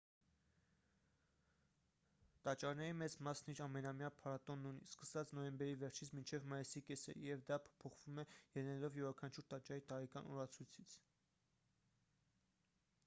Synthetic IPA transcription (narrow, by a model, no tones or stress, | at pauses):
t̪ɑt͡ʃɑɾnɛɾimɛt͡smɑsniɾɑmɛnɑmijɑpʰɑɾɑt̪ɔnːunḭskəsɑt͡sn̪ɔjɛmbɛɾivɛɾt͡ʃʰit͡sʰmint͡ʃʰɛvmɑjisikɛsə̰jɛvd̪ɑpʰɔ̥pʰɔχvumɛjɛnɛlɔvjɛɾɑkʰɑnt͡ʃʰuɾt̪ɑt͡ʃɑɾit̪ɑɾɛkɑnʔɔ̰ɾɑt͡sʰujt͡sʰit͡sʰ